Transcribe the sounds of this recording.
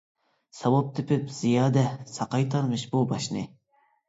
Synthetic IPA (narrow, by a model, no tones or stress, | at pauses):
sɑwop̚t̪ʰɪpʰɪpz̥ijɑːd̪ɛsɑqɑjt̪ʰɑɾmɨʃbubɑʃnɨ